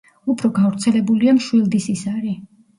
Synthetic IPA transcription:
upʰɾɔɡavɾt̪sʰɛlɛbuliamʃwilˠd̪isisaɾi

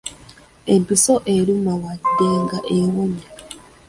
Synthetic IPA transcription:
empisoʔeɾumawadːeŋɡaʔeɣoɲe

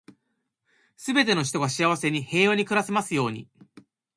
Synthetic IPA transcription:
sɨbe̞t̪e̞no̞ç̬i̥t̪o̞ɡaɕiaβ̞ase̞ɲ̟ihe̞ːjoɲ̟ikɯ̟ɾase̞masɨjo̞ːɲ̟ḭ

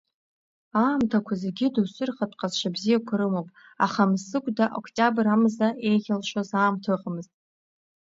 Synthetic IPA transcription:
aːmtʰakʷʰazeɡʲɪdusɨrχatʼqʼazʃʷabzijakʷʰaɾɨmowpʼ | aχamsɨkʷʼdaʔo̰kʷʰʼtʼabramzaʔe̞jχʲalʃazaːmtʰɨqʼmɨztʼ

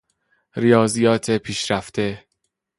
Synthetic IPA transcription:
ɾijɒːzijɒːt̪ʰe̞pʰiːʃɾæft̪ʰe̞

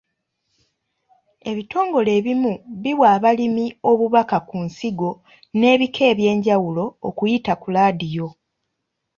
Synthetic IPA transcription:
e̞βito̞ːŋɡo̞le̞ːβimuβiβwaːβalimio̞βuβakakunsiɡo̞ | ne̞ːβikʰe̞ːβje̞ːɲɟawulo̞ːkujitakulaːdijo̞

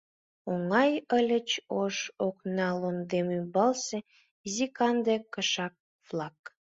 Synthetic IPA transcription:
oŋɑjəlʲət͡ɕoʃoknɑlond̪emymbɑlse | zikɑnd̪ekəʃɑk̚ | vlˠɑk

